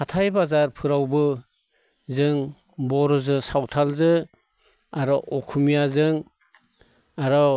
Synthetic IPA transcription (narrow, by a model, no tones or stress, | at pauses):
kʰatʰajbazaɾpʰɯɾawbɯ | zɯŋ | bɔɾɔzɯsawtʰalzɯ | aɾɔʔɔkʰumijazɯŋ | aɾɔ